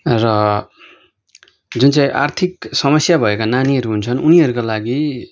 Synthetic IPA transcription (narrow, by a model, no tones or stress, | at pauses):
rʌ | d͡zunt͡saĩʔa̰rt̪ʰiksʌmʌsjabʱʌekananiʌɾuɦunt͡sʰʌnuniʌɾukolaɡi